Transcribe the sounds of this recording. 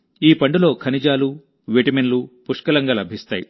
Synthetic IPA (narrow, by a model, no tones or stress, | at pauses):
iːpɐɳɖulo̞ːkʰɐnid͡ʒaːlu | ʋeʈɐmenlupuʂkɐlɐŋɡaːlɐbʱist̪a̰ːji